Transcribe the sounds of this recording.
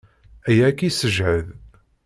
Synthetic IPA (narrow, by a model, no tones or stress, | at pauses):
æjækːisəʒʕəð